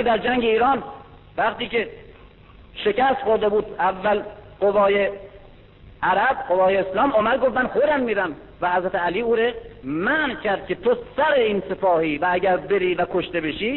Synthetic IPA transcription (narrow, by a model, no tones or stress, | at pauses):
d̪æɾd͡ʒæŋɟeiːɾɒːn | væχt̪iːke | ʃe̞kæst̪χoɾd̪ebuːd̪ævːælɢovɒːje | ʔæɾæb̚qovɒːjeːslɒːmɒːmæd̪̚ɡoft̪mænxoɾd̪æmmiːɾæm | væhæzɾæt̪ʰeæliːuːɾemæːncʰæɾd̪̥̚kʰʲe̞t̪ʰosæɾeiːnse̞pɒːhiːvææɟæɾbeɾiːvækʰoʃt̪ebeʃiː